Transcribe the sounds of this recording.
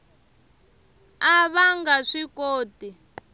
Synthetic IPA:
aβaŋɡaʂikoːti

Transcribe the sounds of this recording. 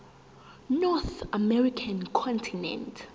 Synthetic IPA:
nɔθamɛɹikʰankʰɔ̃ntʰinɛ̰̃ntʰ

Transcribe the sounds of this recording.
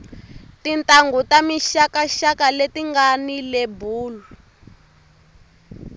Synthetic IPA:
tintʼaŋɡutamiʃakaʃakaletiŋɡanilebuːlu

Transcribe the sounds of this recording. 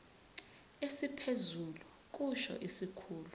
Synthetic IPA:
esipʰezulu | k̬ʼuʃɔ̰ʔisikʰuːlu

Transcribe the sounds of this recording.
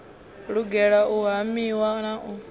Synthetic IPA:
ɺuɡɛɺaʔuɦamiwanaʔu

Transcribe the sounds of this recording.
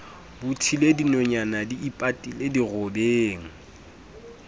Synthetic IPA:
bʊtʰiledinɔɲanadiipʼatʼilediɣʊbeːŋ̩

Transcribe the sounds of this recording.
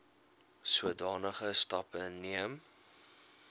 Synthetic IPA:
suədɑːnəχəstɐpənːiəm

